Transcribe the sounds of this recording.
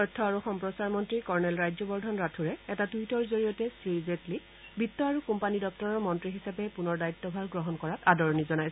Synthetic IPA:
ɔɹtʰːɔaɹuxɔmpɹɔsaɹmɔntɹikɔɹnɛlɹajzɔbɔɹdʱɔnɹatʰuɹɛɛtatujtɔɹzoɹijɔtɛsɹizetli | bitːɔaɹukumpanidɔk̚tɔɹɔɹmɔntɹiɦisapɛpunɔɹdaitːɔbʱaɹɡɹɔɦɔnkɔɹatadɔɹɔnizɔnajsɛ

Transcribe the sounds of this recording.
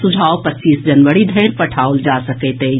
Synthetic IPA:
sʊd͡ʒʱaːopətːt͡ʃːiːsd͡ʒənʋəɽid̪ʱɛɪɾpəʈʰaːold͡ʒaːsəkɛt̪ɦe

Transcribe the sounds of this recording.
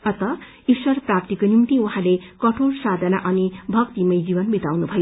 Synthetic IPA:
ʌt̪ʌ | iswʌrprap̚t̪ikonimt̪iũɦãlekʌʈʰorsad̪ʱʌnaʔʌnibʱʌkt̪imʌjd͡zibʌnbit̪awnubʱʌjo

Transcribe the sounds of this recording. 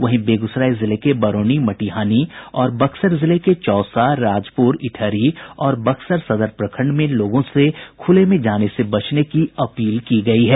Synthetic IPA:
ʋɐɦbeːɡʊsɾaːezɪlekebɐɾoːnimɐʈiɦaːniɔːɾbɐksəɾzɪleket͡ʃɔːsaɾaːd͡ʒpuɾɪʈʰəːɾiɔːɾbɐksəɾsɐd̪əɾpɾɐkʰə̃ɳɖmẽloːɡõsekʰʊlemẽd͡ʒaːnesebɐt͡ʃnekiɐpiːlkiɡɐiɦɛː

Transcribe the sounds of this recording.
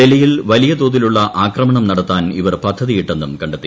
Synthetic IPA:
elɐjilʋɐlijɐt̪oːðiluɭːɐʔaːkrɐmɐɳɐmnɐɽɐt̪ːaːniʋɐrpɐd̪ʱːɐðijiʈːenːumkɐɳɖet̪ːi

